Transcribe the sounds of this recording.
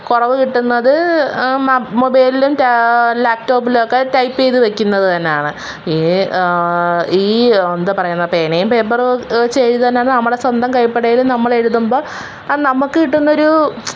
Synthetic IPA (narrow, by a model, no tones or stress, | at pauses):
kurɐʋɨkiʈːunːɐðɨ | mobɐjlilumtlaːk̚ʈo̞ːp̬ːilokːeʈɐjpːejðɨʋekʲːunːɐðɨt̪ɐnːejaːɳɨ | i | iːond̪ɐpɐrɐjunːɐpeːnejumpeːbɐrt͡ɕeːtit̪ɐnːeaːɳɨnɐmːɐɽe̞swɐnd̪ʱɐmkɐjpːeɽɐjilumnɐmːɐɭe̞ɻuðumbo̞ː | nɐmukːɨkiʈːunːɐo̞ɾu